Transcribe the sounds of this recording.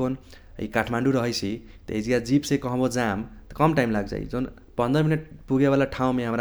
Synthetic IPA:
on | ḭkaʈʰmaɳɖuɾʌɦʌjt͡sʰi | t̪ʌ̰ḛd͡zijad͡zipsẽkʌɦbod͡zamt̪ʌkʌmʈajmlaɡd͡za̰j̰d͡zon | pʌnd̪ʌminʌʈpuɡebalaʈʰaw̃meɦamɾa

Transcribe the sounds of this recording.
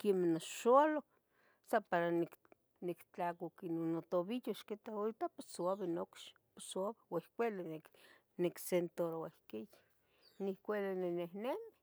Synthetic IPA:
kemenoʃoalok | sapaɾanik | nikt͡ɬakokinonot̪oβijoʃket̪aoit̪aposoaβenokʃ | posabewehkʷelenek | neksent̪oɾowehkijḁ | nihkʷelenenehnemi

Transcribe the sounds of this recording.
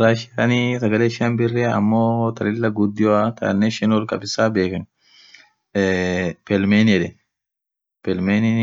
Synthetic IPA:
ɾaːʃɪanisɐɡɐleːʃɪɐnbɪrːɛɐ̰mːoːt̪ɐlɪlːɐɡʊd̪ːɪjoat̪ɐ̰nːɛʃɛnwɔlkʼɐ̰bɪsaːbeːkɐn | pɛlmeːnɛᶑɛ | pɛlmeːnɪ

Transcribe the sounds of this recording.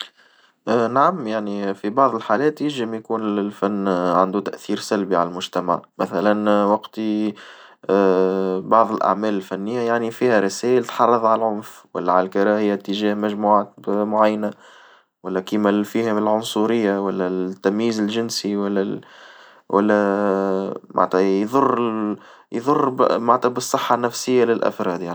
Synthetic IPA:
ʔnaʕamjaʕnifibɑʕðˤəlħaːlɛːt̪jɪlʒɪmjkuːnɪlfænːʕand̪ut̪æʔθiːɾsælbiʕa̰lælmʊʒt̪æma̰ʕmæθælænwɑqt̪i | bɑʕðˤɪlʔa̰ʕmæːlɪlfænːɪjːajaʕnifiːhæɾˤɑsæːjəlt̪ħɑrˤːɑðˤʕalælʕʊnfwæ̰lːæʕalælkɑɾˤɑːhɪjat̪ːəʒæːhmæʒmuːʕaːt̪̚bmʊʕajːna | wælːækimæfiːhælʕʊnsˤuɾɪjːawælːæt̪ːæmjiːzɪlʒɪnsiwælːæ | wʔæ̰lːæ | mʔa̰ʕt̪æjðˤʊrˤː | jðˤʊrˤːmaʕt̪æbɨsˤːɨħːɑnːæfsɪjːalɪlʔæ̰fɾˤɑːd̪jaʕni

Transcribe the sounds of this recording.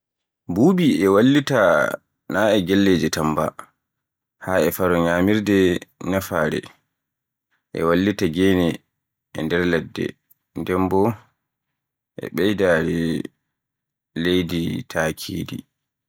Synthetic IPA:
bubiɛwalːita | naɛɡɛlːed͡ʒɛtamba̰ | haɛfaɾɔɲaːmiɾdɛnafaːɾɛ̰ | ʔɛ̰walːitaɡɛnɛ | ʔɛ̰ndɛɾlɛdːɛ̰ | ndɛmbɔ | ʔɛ̰ɓɛjdaːɾɛ | lejditʰaːkʰḭːdḭ

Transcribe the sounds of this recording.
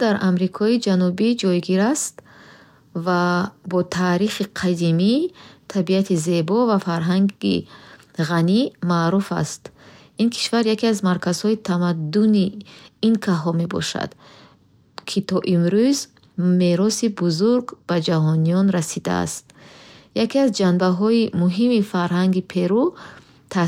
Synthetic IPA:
d̪aɾʔamɾikʰɔid͡ʒanubid͡ʒɔjɡiɾast̪ | vabɔt̪ʰaːɾiχiqʰad̪imit̪ʰabiat̪ʰize̞bɔvafaɾɦaŋɡḭ | ʁanimaːɾufa̰st̪ | inkʰi̥ʃvaɾjakiazmaɾkʰaz̥hɔit̪ʰamad̪ːuniːnkʰaɦɔme̞bɔ̰ʃa̰d̪̥ | kʰit̪ʰɔʔimɾuz | me̞ɾɔsibuzuɾɡb̥ad͡ʒaɦɔniɔnɾasid̪a̰a̰st̪jakiazd͡ʒanbaɦɔimuɦimifaɾɦaŋɡipʰe̞ɾu | t̪ʰa

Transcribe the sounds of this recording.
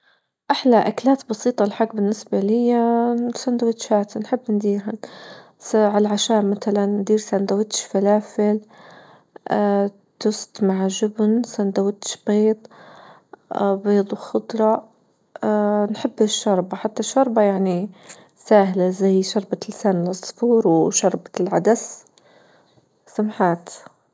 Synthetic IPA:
ʔaħlaʔaklaːt̪bɑsiːt̪ˤɑlħaɡbɪnːɪsbalɪjːasand̪awːɪt̪ʃhaːt̪anħɪbːnd̪iːɾɦa | saʕalʕaʃaːʔmat̪alanːd̪iːɾsand̪awːɪt̪ʃfalaːfɪl | t̪ʊst̪maʕʒʊbnsand̪awːɪt̪ʃbeːd̪ˤ | beːd̪ˤwxʊd̪ˤɾˤɑ | nħɪbːɪʃːɑɾˤbaħat̪ːaʃːɑɾˤbajaʕni | saːhlazajʃɑɾˤbalɪsaːnɪlʔɑsˤfuːɾwʃɑɾˤbḁlʕa̰d̪as | samħaːt̪

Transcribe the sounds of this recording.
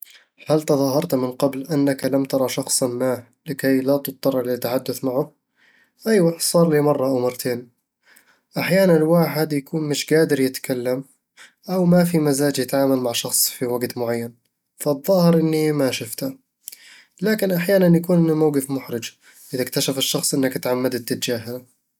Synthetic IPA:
halt̪ɑðˤɑːɦɑɾˤt̪mɪnqɑblʔanːaklamt̪ɑɾˤɑʃɑxsˤmaː | lɪkajlat̪ɨt̪ˤːɑrˤːlɪt̪ːaħad̪ːʊθmaʕʊ | ʔajwasˤɑːɾˤliːmɑrˤːɑʔawmɑrˤt̪ʰeːn | ʔaħjaːnanwaːħɪd̪jakuːnmɪʃɡaːd̪ɪɾjɪt̪kalːam | ʔawmafimazaːd͡ʒjɪt̪ʕaːmalmaʕʃɑxsˤfiwaɡt̪mʊʕajːan | faðˤːɑːhɪɾʔɪnːimaʃʊft̪a | laːkɪnʔaħjaːnanjakuːnʔɪnːimawɡɪfmʊħɾɪd͡ʒ | ʔɪðakt̪aʃafɪʃːɑxsˤʔɪnːakat̪ʕamːad̪ɪt̪ːɪd͡ʒaːɦana

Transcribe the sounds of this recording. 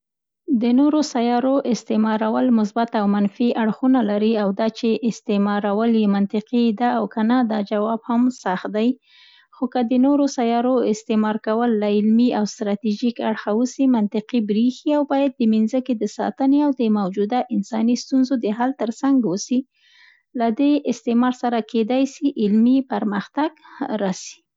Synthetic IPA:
d̪ənoɾosajɑɾoʔɪst̪ɪmɑɾawəlmʊs̬bat̪awmanfiʔaɽxunalaɾiawd̪ɑt͡ʃeʔɪst̪emɑɾawəljemant̪ɪqid̪aːwkanad̪ɑd͡ʒawɑbhamsaxt̪̚d̪aj | xokəd̪ənoɾosajɑɾoɪst̪emɑɾkawəlːaɪlmiawst̪ɾɑt̪iʒikaɽxawəsimant̪ɪqibɾixiawbɑjad̪̚ːəminzəked̪əsɑ̰t̪əneawd̪əmawd͡ʒud̪aʔɪnsɑnist̪unzod̪əɦalt̪əɾsaŋɡwusi | lad̪eʔɪst̪emɑɾsaɾakʰed̪ajsiʔɪlmipaɾməxt̪aɡɾɑsi̥

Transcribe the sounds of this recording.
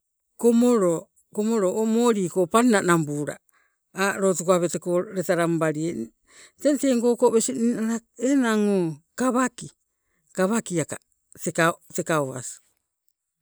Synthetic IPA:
komoɾo | komoɾoʔomoːɾiːkopannanambuːɾa̰ | aɾotukoaβetekoɾetaɾambaɾie | tenteŋko̞kobesiniaɾaenaŋokaβaki | kaβakiaka | tekate̞kaoa̰si̥

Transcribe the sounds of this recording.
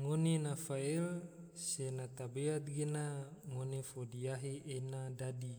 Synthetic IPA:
ŋonenafael | senat̪abeat̪̚ɡenaŋonefodiaɦiʔenadadi

